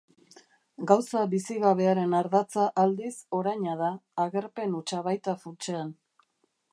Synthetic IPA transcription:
ɡawsabisiɣaβe̞aɾe̞naɾðat͡saʔald̪iso̞ɾajɲað̞aːɣe̞ɾpe̞nut͡ʃaβajt̪afut͡ʃean

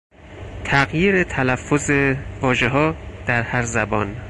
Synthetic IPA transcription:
t̪ʰæɣjiːɾet̪ʰælæfːozevɒːʒe̞ɦɒːd̪̥æɾhæɾzæbɒːn

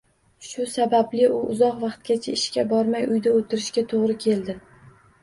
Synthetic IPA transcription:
ʃʊsabablɪʔʊʔʊzɒqvɑqt̪̚ɡʲat͡ʃʰaɪʃkʲabɒɾmajʊjd̪aot̪ʰɪɾɪʃkʲat̪ʰoʁɾɪkʲʰe̞ld̪ɪ

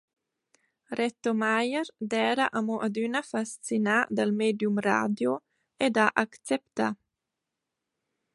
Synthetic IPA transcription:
ɾɛt̪omajɛɾd̪ɛːɾaʔamoʔad̪ynafast͡sinad̪almeːd̪jumra̰ːd̪jo | ed̪aʔakt͡sɛpt̪a

